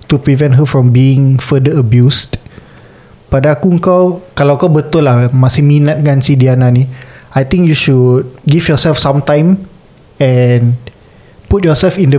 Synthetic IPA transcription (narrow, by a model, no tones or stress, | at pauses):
t̪upɹivɛ̃nt̚ɦəfɹɔ̃mbiɪ̃ŋfədəəbjust | padaːkuəŋkawkalawkawbət̪ʊlahmasihminat̪̚kãnsidianãniajt̪ĩŋkjuʃut̚ɡifjɔsɛlfsãmt̪ãj̃m | ɛn | put̚jɔsɛlfĩndə